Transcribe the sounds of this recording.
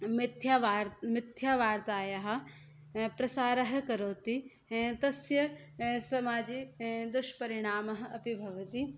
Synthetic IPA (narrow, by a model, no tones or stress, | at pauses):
mɪt̪ʰjaːʋaːɾmɪt̪ʰːjaːʋaːɾt̪aːjaɦɐ̆ | pɾɐsaːɾɐɦɐ̆kɐɾoːt̪i | t̪ɐsjɐ | sɐmaːd͡ʒeːd̪ʊʃpɐɾɪɽ̃aːmɐɦɐ̆ɐpibʱɐʋɐt̪i